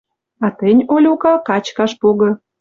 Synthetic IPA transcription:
ɑt̪ənʲolʲukɑkɑt͡ɕkɑʃpoɣɤ̆

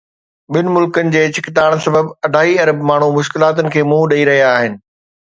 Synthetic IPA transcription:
ɓɪnɪ̆mʊlkənɪ̆d͡ʑeːt͡ɕɪkɪt̪aːɽ̃sɐbəbɐɖʱaːɦiɐɾəbmaːɳ̤umʊʃkɪlaːt̪̬ənɪ̆kʰeːmũːɗɐiɾɐɦijaːɦɪnɪ̆

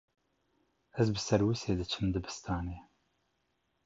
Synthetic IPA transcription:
ɛzbɨsɛɾwɨseːd̪ɨt͡ʃʰɨmd̪ɨbɨ̥st̪ʰaːneː

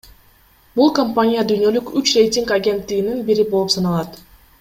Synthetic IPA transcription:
bulˠkɐmpanʲijad̪yjnø̞lykyt͡ʃre̞jtʲiŋkaɡʲe̞nt̪ːiɡininbiɾibo̞lˠupsɑnɑlˠɑt̪

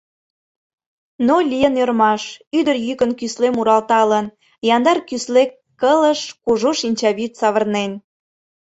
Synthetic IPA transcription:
nolʲijənørmɑʃyd̪ərjykənkyslemuɾɑlt̪ɑlən | jɑnd̪ɑrkyslekːələʃkuʒoʃinʲt͡ɕɑβyt̪sɑβərnen

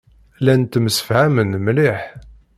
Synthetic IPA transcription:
lænt̪ːməsə̥fhæmənmliħ

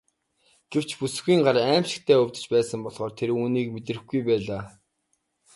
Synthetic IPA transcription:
ɡ̥ew̥t͡ɕpus̆xiːŋɢaɾæːmʃɪ̆k̚t̪ʰæːɵwʲt̪ɵ̥̆t͡ɕpæːsə̆mpɔɮχɔːrt̪ʰeɾuːniːk̚met̪rɘ̆xɡujpæːɮaː

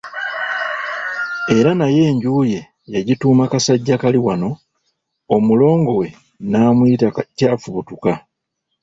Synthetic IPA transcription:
e̞ɾanaje̞ːɲɟuːje̞ | jaɟituːmakasaɟːakaliwano̞ | omulo̞ːŋɡo̞we̞ | naːmwitacaːfuβutuka

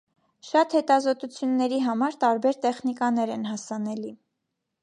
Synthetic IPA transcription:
ʃɑt̪hɛt̪ɑzɔt̪ut͡sʰjunːɛɾiɦɑmɑɾt̪ɑɾbɛɾt̪ɛχnikɑnɛɾɛnɦɑsɑnɛli

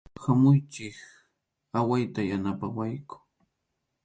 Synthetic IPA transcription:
hamʊjt͡ʃɪk | awajt̪ajanapawajkʊ̥

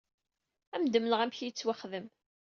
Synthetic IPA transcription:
æmd̪əmləʁæmçjət͡sːwaχðəm

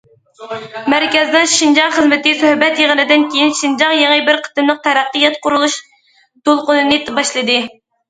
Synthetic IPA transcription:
mæɾkʲɛznɨŋʃind͡ʒɑŋχəzmɪt̪ɪsøhbɛt̪jeʁənɨd̪ɪnkʲejinʃind͡ʒɑŋjeŋəbɪɾqʰə̥t̪ɨmlˠəq̚t̪ʰɛɾæqːɨjɛt̪qʰʊɾulˠuʃ | d̪olˠqʊnɨnɨt̪bɑʃlˠɨd̪ɨ

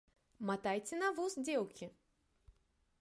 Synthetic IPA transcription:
mat̪ajt͡sʲɛnɐvusd͡zʲɛwkʲi

